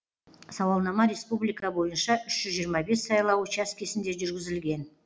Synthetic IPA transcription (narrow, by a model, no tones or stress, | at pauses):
sɑwɑlˠnɑmɑɾʲe̞spublˠijkɑbo̞jənʃɑʔʏʃʒ̥ʏzʒijəɾmɑbe̞sːɑjlˠɑwut͡ʃɑskʲʰe̞sɪnd̪e̞ʒʏɾɡʲɪzɪlɡʲe̞n